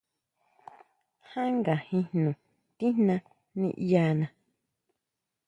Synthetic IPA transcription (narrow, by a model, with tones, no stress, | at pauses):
hã˦ŋɡa˨hĩ˧hnũ˨ | t̪ĩ˦nã˧ | nḭ̃˧ʔja˧nã˧